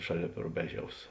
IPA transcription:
ˈʃɑːˌlʲeːp rʊˈbʲæːˌʒʲɛʊs

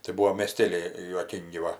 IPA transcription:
tɐɪ ˈbuɔ mʲeːˈsʲtʲeːlʲɛɪ juɔˈkʲiːŋʲɡʲɪ ˈʋɐ

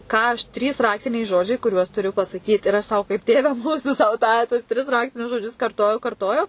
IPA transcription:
ˈkɑː ɐʃ ˈtʲrʲiːs ˈrɑːktʲɪnʲɛɪ ˈʒoːd͡ʒʲɛɪ kʊˈrʲuɔs tʊˈrʲʊ pɐsɐˈkʲiːt ɪr ɐs ˈsɐʊ kɐɪp ˈtʲeːʋʲɛ ˈmuːsʊ sɐʊ ˈtɑː tuɔs tʲrʲɪs ˈrɑːktʲɪnʲʊs ʒoːˈd͡ʒʲʊs kɐrˈtoːjɛʊ kɐrˈtoːjɛʊ

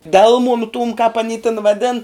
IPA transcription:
ˈdʲɛlˠmʊnʊ tuːm kɑːp ɐˈnʲiː tʲɪn ʋɐˈdʲɪn

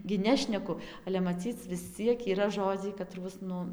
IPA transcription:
ɡʲɪ ˈnʲæːʃʲnʲɛkʊ ɐlʲɛ mɐˈt͡sʲiːt͡s ʋʲɪs ˈt͡sʲiɛk iːˈrɐ ˈʒoːd͡zʲɛɪ kɐˈtruɔs ˈnʊ

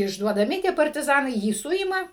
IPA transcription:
ɪʒduɔdɐˈmʲɪ tʲiɛ pɐrʲtʲɪˈzɑːnɐɪ ˈjiː ˈsʊɪmɐ

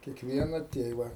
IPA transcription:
kʲiɛkˈʋʲiɛnɐ ˈtʲeːʋɐ

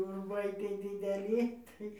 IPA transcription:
ʊrˈʋɐɪ ˈtʲiɛj dʲɪdʲɛˈlʲɪ ˈtɐɪ

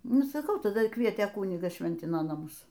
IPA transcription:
ˈnʊ sɐˈkɐʊ tɐˈdɐ ˈkʋʲiɛtʲeː ˈkʊnʲɪɡɐs ˈʃʲʋʲɛnʲtʲɪnoː nɐˈmʊs

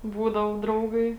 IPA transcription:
ˈbuːdɐʋoː ˈdrɐʊɡɐɪ

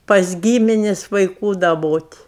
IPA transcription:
pɐs ˈɡʲiːmʲɪnʲɪsʲ ʋɐɪˈkuː dɐˈboːtʲ

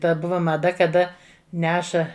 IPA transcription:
ˈtɐt ˈbʊʋɐ mɐˈdɐ kɐˈdɐ ˈnʲæːʃɐ

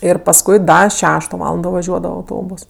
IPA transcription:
ɪr pɐsˈkʊɪ ˈdɐ ˈʃʲæːʃtoː ˈʋɑːlˠɐndoː ʋɐˈʒʲuɔdɐʋɐ ɐʊˈtoːboːs

